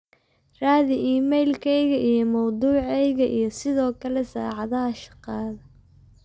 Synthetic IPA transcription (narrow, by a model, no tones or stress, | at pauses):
raːðɪʔiːmɛjlkʰɛjɣɐʔijɞmɑwd̪uːʕɛjɣɐʔijɞsɪðɔːkʰɐlɛsa̰ːʕɑðɐɦɐʃɑ̥qɑːðɐ